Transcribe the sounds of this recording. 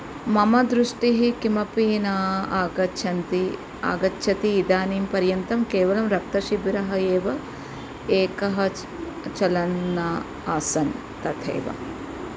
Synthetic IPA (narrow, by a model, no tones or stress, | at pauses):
mɐmɐd̪ɾuʂʈiɦikimɐpiːnaːaːɡɐt͡ʃʰɐnt̪i | a̰ːɡɐtːʃʰɐt̪iːd̪aːniːmpɐɾjɐnt̪ɐmkeːʋɐlɐmɾɐk̚t̪ɐʃibɾɐɦɐeːʋɐ | eːkɐɦɐ | t͡ʃɐlɐnːɐ | aːsɐn | t̪ɐt̪ʰḛːʋɐ̰